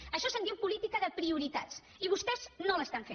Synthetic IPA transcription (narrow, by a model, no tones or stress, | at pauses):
əʃɔsənt̪iupulit̪ikəðəpɾiuɾit̪at͡s | iβ̞ust̪ɛznoləst̪aɱfe